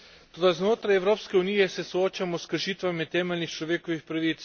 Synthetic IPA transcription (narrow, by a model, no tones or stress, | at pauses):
t̪oːd̪aznoːt̪ɾajɛwɾoːpskɛuniːjɛsɛsooːt͡ʃamɔskəɾʃiːt̪ʋamit̪ɛːmɛlnixt͡ʃlɔʋeːkɔʋixpɾaʋiːt̪s